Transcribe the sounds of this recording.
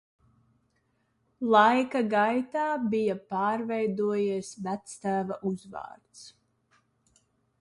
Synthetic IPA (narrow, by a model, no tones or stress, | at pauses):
lˠajkaɡajt̪aːbijapɑːɾvɛjd̪uɔjiɛsvæt̪st̪æːvaʔuzva̰ːɾt̪s